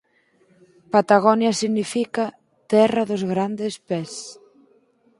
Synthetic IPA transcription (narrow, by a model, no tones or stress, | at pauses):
pat̪aɣɔnjɐsiɣnifika | t̪ɛrɐðozɣɾand̪espɛs